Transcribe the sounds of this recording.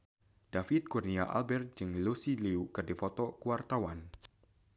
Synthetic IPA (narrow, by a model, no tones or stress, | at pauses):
d̥afit̪̚kurniaʔa̰lbɛrt̪̚d͡ʒɨŋlusiliukɨrdifɔt̪ɔkuwart̪awan